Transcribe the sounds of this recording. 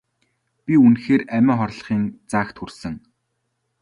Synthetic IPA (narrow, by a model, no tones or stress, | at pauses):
pʲiunxeːræmʲæ̆ːχɔrɮ̆χiːnt͡saːxt̪xursɘ̆ŋ